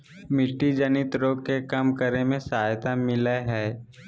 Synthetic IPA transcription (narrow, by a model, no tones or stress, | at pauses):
mɪʈːid͡ʒənɪt̪ɾoːɡkekɐmkəɾemẽsəaːjt̪amɪleɦɛː